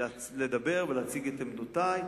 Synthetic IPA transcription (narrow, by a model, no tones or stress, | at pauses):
led̪abeʁvelaat͡siɡet̪emdutaj